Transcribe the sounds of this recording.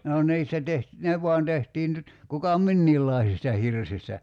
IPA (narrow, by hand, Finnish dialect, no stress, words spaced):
no nˑiːstæ teht ne ʋˑuɑn tehtiːn nyt kukɑ minːiːlːɑˑisistɑ hirsistæ